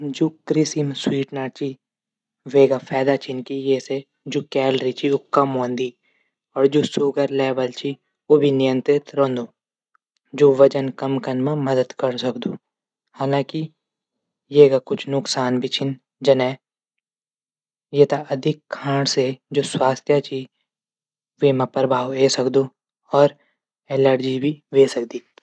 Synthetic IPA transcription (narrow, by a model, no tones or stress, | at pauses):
d͡ʒoːkɾɪsimswiːʈnaːt͡ʃʰi | ʋeːɡafʰɛːd̪at͡ʃʰinkijeːse | d͡ʒoːkɛːlɾit͡ʃʰiokɐmɦõːnd̪i | ɔːɾd͡ʒoːsuɡəɾlɛːʋəlt͡ʃʰi | obʱinɪjə̃nt̪ɾɪt̪ɾõːnd̪oː | d͡ʒoːʋɐt͡ʃənkɐmkɐnmẽmɐd̪əd̪kɐɾsɐkd̪uː | haːlãːki | jeːɡakʊt͡ʃʰnʊksaːnbʱit͡ʃʰɪn | d͡ʒɐnɛː | jet̪aɐd̪ʱɪkkʰːãːɽsed͡ʒoːswaːst̪ʰjat͡ʃʰi | ʋemɐpəɾbʱaːweːsɐkd̪oː | ɔːɾ | eːləɽd͡ʒibʱiʋeːsɐk̚d̪iː